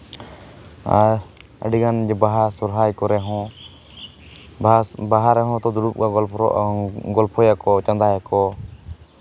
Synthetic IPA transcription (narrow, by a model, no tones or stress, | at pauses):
a̰ɾ | ə̰ɖiɡand͡ʒɛbaɦaɾsɔɾɦajkɔɾɛɦɔ̃ | baɦaɾɛɦɔ̃t̪ɔd̪uɾup̚ɡaɡɔlɔɡɔlpʰɔjakɔt͡ʃãnd̪ʱajakɔ